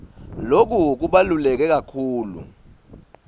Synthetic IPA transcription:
lok̬uk̬uɓalulɛk̬ɛk̬akʰuːlṵ

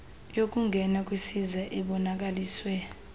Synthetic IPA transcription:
jok̬ʼuŋɡʱɛnak̬ʼwisizaʔɛɓɔnak̬aliːswɛ

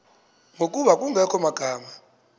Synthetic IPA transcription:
ŋʱok̬ʼuɓakʼuŋɛkʰɔmaɡ̥ʱaːma

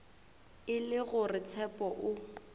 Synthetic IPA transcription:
ɪlɪɣʊrɪt͡sʰɛpʼɔʔʊ

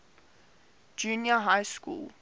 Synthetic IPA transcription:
d͡ʒunjəɦaɪskṵːlˠ

